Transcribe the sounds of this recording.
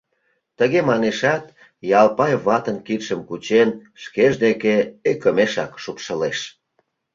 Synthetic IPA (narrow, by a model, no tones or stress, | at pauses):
t̪əɣemɑneʃɑt̪ | jɑlpɑjβɑt̪ənkit̪ʃəmkut͡ɕenʃkeʒd̪ekeekəmeʃɑkʃupʃəleʃ